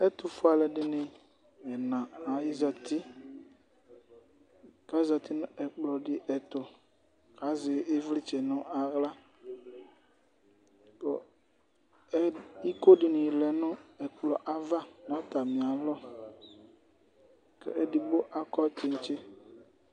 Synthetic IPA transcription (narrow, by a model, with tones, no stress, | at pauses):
ɛ˦tʊ˨fʊ˦a˨lɛ˨dɪ˦nɪ̃˨ | m˨ɛ˨nã˨a˨jɪ˦za˨tɪ˦ | ka˨˦i˦za˨t̪ɪ˦nʊ̃˦ʔɛ˨k͡plɔ˨dɪ˦ʔɛ˨t̪ʊ˨ | ka˨˦zɪ˨ɪ˦vlɪ˦t͡ʃɛ˨nʊ̃˦ʔa˨ɣla˦ | bɔ̰˨˦ | i˦ko˦dɪ˨nɪ̃˨lɛ˨nʊ̃˦ɛ˨k͡plɔ˨ʔa˦va˦n˨ã˦ta˨mɪ̃˨a˨lɔ˦ | kɛ̰˦ʔɛ˨dɪ˨bo˦ʔa˨kɔ˦t͡ʃɪ˨n˦t͡ʃɪ˦